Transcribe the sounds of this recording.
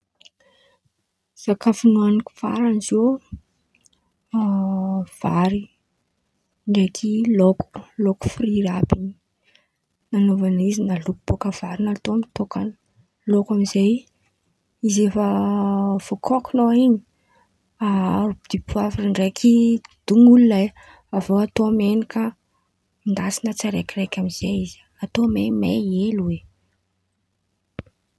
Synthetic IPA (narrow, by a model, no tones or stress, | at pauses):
z̥akafunuaniku̥fa̰ɾanizo | v̥aɾi | ɳɖ͡ʐekʰiloku̥loku̥friɾabini | nanovanizinalukub̥okav̥aɾinat̪omit̪okan | lokamizej | izefə | v̥okʰɔkunoiɲi̥ | aud̪̥ipʰuafiriɳɖ͡ʐekʰid̪̥uŋulunae | avoat̪oamenikə | mind̪asinət͡saɾekʲirekʲamiz̥ejizi | at̪omejmḛelwe